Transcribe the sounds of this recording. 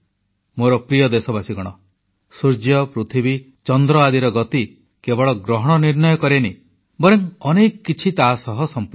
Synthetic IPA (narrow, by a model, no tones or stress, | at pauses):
moɾɔpɾijɔd̪esɔbasiɡɔɽ̃ɔ | suɾd͡ʒjɔpɾut̪ʰibi | t͡ʃɔnd̪ɾɔad̪iɾɔɡɔt̪i | kebɔɭɔɡɾɔɦɔɽ̃ɔniɾnɔjɔkɔɾeni | bɔɾeŋɔnekɔkːit͡ʃʰit̪asɔɦɔsɔmp